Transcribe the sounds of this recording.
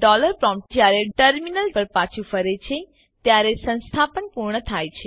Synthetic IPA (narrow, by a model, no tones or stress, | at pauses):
ɖɔləɾpɾɔ̃mpʈd͡ʒjaɾeʈəɾminəlpəɾpat͡ʃʰufəɾet͡ʃʰe | t̪jaɾesə̃nst̪ʰapənpuɾɳ̃ət̪ʰaːjt͡ʃʰe